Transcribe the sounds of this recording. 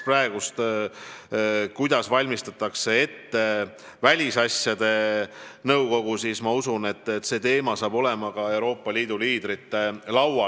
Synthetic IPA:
præeɡ̥ust̪ | kujd̪̥ɑsvɑlʲmist̪ɑt̪ːˑɑkse̞e̞t̪ːe̞ | vælʲisɑsjɑd̪̥e̞nɤwko̞ɡ̥usismɑusune̞t̪ˑːet̪ːse̞ːt̪e̞ːmɑsɑːbo̞le̞mɑkɑe̞wɾo̞ːpːˑɑliːd̪̥uliːd̪ɾit̪ːe̞lɑwɑ

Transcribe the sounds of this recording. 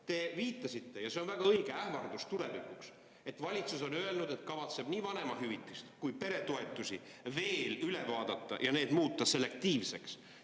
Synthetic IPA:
t̪e̞viːt̪ˑːɑsit̪ːe̞jɑse̞o̞nvæɡ̥ɑɤjɡ̥eæhmɑrd̪̥ust̪uɾe̞vikˑuks | e̞t̪vɑlʲit̪suso̞nøe̞lnud̪e̞t̪kɑvɑt̪se̞b̥niːvɑne̞mɑɦyvit̪ːˑist̪kujpe̞ɾe̞t̪o̞e̞t̪ːˑusʲi | ve̞ːlyle̞vɑːd̪̥ɑt̪ːɑ̰jʔɑne̞ːd̪muːt̪ːˑɑse̞le̞k̚t̪iːvse̞ks

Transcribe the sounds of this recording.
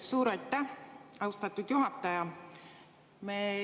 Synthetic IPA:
suːɾɑjt̪ːˑæhɑwst̪ɑt̪ːˑud̪̥juɦɑt̪ːˑɑjɑ | me

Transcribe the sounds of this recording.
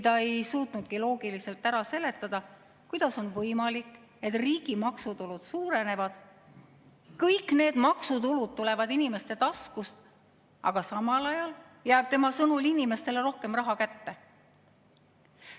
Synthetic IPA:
t̪ɑe̞jsuːt̪ˑnud̪̥̚kilo̞ːɡ̥ilise̞lt̪ːæɾɑse̞le̞t̪ːˑɑd̪̥ɑ | kujd̪̥ɑso̞nvɤjmɑlikːˑ | e̞t̪riːɡ̥imɑksut̪ulud̪̥suːɾe̞ne̞vɑd̪̥ | kɤjkːˑne̞ːd̪̥mɑksut̪ulud̪̥̚t̪ule̞vɑd̪inime̞st̪e̞t̪ɑskust̪ | ɑ̰ɡ̥ɑsɑmɑlɑjɑl | jæːb̥̚t̪e̞mɑsɤnulinime̞st̪e̞leɾo̞hke̞mrɑɦɑkæt̪ːe̞

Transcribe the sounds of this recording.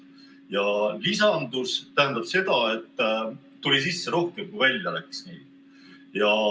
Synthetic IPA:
jɑlisɑnd̪ust̪æɦænd̪̥ɑb̥se̞d̪̥ɑe̞t̪ːˑ | t̪ːulʲisisːe̞ɾo̞hke̞mkujvælʲjɑlæksnḭː | jɑ

